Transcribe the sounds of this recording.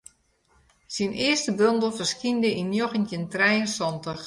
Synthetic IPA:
sinʔɪəstəbøndəl̩ˠfərskindəʔinjoxəntjəntrɛjənsɔntəx

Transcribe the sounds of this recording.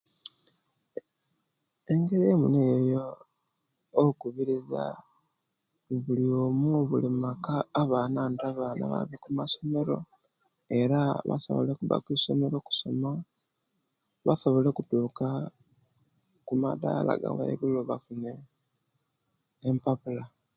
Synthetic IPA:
eŋɡe̞ɾiemuneːjo | kuβiɾiza̰ | βuliomuoβulimakaːβanaːntaβaːna̰βa̰βikumaso̞me̞ɾo̞̰ | e̞ɾaβa̰so̞̰βo̞̰le̞kuβa̰kwisome̞ɾo̞ku̥so̞ma | βaso̞βo̞le̞kutuːka | kuma̰da̰la̰ɡa̰wa̰jiβuloβafune̞ | mpapula

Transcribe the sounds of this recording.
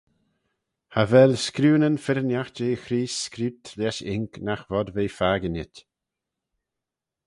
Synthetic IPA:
havɛlskɾuːnənfɪɾənjaxd͡ʒeːxɾiːskɾuːt̪ʰlɛʃɪŋknaxvɔd̪veːfaːɡənɪt̪ʲ

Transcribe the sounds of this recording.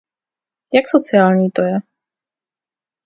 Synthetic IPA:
jaksɔt͡sɪaːlɲiːt̪ojɛ

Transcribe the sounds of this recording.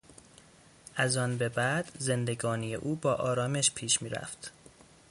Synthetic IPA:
ʔæzɒːnbe̞bæd̪̥ze̞nd̪e̞ɡɒːnijḛʔuːbɒːʔɒːɾɒːme̞ʃpʰiːʃmiːɾæ̰ft̪

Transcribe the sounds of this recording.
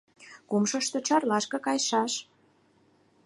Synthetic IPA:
kumʃə̆ʃt̪ə̆t͡ɕɑrlɑʃkɤ̆kɑjʃɑʃ

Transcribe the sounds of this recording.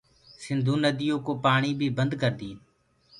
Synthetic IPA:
sɪnd̪ʱũːnəd̪ɪjõːkoːpaːɳiːbʱiːbənd̪kəɾd̪iːn

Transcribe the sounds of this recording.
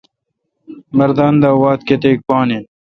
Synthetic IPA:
mɐɾd̪aːnd̪aːwaːt̪̚ket̪eːk̚paːnin

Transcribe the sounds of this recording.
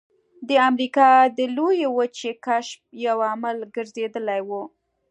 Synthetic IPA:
d̪əamɾikɑd̪əlojewət͡ʃekaʃp̚jawamalɡəɾzed̪əlajwu

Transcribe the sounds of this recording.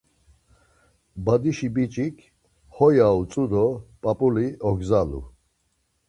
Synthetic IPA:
bad̪iʃibit͡ʃʼikʰ | hɔjaut͡sʼud̪ɔpʼapʼuliɔɡzalṵ

